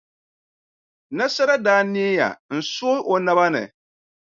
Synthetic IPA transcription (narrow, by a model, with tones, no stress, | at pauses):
na˦sa˦ɾa˦daː˦ni˦e˦ja̰˨n̩˨so˦ʔo˨na˦ba˦nɨ̰˨